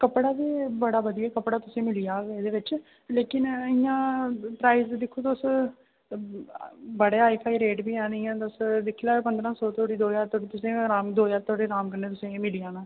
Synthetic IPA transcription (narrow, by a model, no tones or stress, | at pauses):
kəpɽaːʋiːbəɽaːbəd̪ijaːkəpɽaːt̪ʊsẽːmɪlɪjaːeːd̪eːʋɪt͡ʃ | leːkɪnɪjãːpɾaːizd̪ɪkʰːoːt̪oʊs | bəɽeːaːipʰaːiːɾeːʈbiːɛ̃ːnĩːãːt̪ʊsd̪ɪkʰːilaːpənd̪ɾãːsɔːt̪ʰoːɽiːd̪oːjaːɾt̪ʰoɽit̪ʊsẽːɾaːmd̪oːjaːɾt̪ʰoːɽeːɾaːmkəɾneːt̪ʊsẽːmɪlijãːnãː